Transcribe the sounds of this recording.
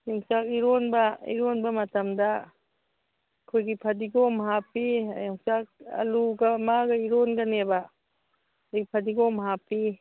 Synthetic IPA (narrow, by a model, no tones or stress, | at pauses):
jɔŋsak̚iɾɔnbɐḭɾɔnbɐmɐtɐmda | kʰojɡipʰadiɡomɦapijɔŋsak̚ɐ̰luɡamaɡaiɾɔnɡaneba | ajɡipʰadiɡɔmɦapi